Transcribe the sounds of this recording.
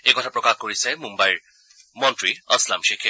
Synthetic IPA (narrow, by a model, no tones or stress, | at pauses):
ekɔtʰapɹɔkaxkoɹisɛmumbajɹ | mɔntɹiʌslamʃekʰe